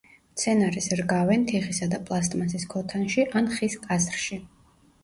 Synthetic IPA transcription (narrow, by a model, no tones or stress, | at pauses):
t̪sʰɛnaɾisɾɡavɛnt̪ʰiχisad̪apʼlˠast̪ʼmasiskʰɔt̪ʰanʃiʔanχiskʼasɾʃi